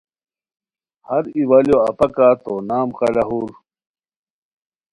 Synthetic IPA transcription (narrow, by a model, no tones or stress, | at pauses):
hɐɾiwaljoɐpɐkat̪onaːmqɐɖɐɦuɾ